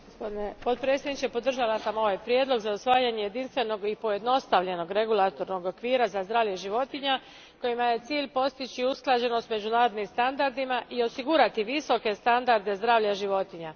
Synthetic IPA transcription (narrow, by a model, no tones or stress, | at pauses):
ɡospo̞d̪inepo̞t̪̚pɾetsjed̪nit͡ʃepo̞d̪r̩ʒalˠasamo̞ʋajpɾjed̪lo̞ɡzausʋaːjaɲe̞je̞d̪inst̪ʋe̞no̞ɡipo̞je̞d̪no̞st̪aʋʎe̞no̞ɡɾe̞ɡulˠat̪o̞ɾno̞ɡo̞kʋiːɾazazd̪ɾaːʋʎje̞ʒiʋo̞t̪iɲa | ko̞jimajet̪siːʎpo̞st̪it͡ʃiusklˠad͡ʑe̞no̞st̪me̞d͡ʑunaːɾo̞d̪nimst̪and̪aɾd̪imaʔio̞siɡuɾat̪iʋiso̞ke̞st̪and̪aɾd̪e̞zd̪ɾaːʋʎaʒiʋo̞t̪iɲa